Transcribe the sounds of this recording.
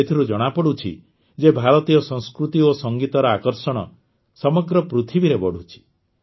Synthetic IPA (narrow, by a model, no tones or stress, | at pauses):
et̪ʰiɾud͡ʒɔɽ̃apɔɽut͡ʃʰḭ | d͡ʒebʱaɾɔt̪ijɔsɔ̃ŋskɾut̪iosɔŋɡit̪ɔɾɔakɔɾsɔɽ̃ɔ̰ | sɔmɔɡɾɔpɾut̪ʰibiɾebɔɽ̤ut͡ʃʰi̥